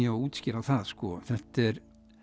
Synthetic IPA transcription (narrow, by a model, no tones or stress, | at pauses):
jauːt̪scɪɾaθaðskɔθɛht̪ɛɾ